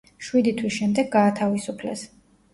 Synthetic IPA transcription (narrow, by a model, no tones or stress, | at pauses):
ʃwid̪it̪ʰwisʃɛmd̪ɛɡːaːt̪ʰavisupʰlɛ̰s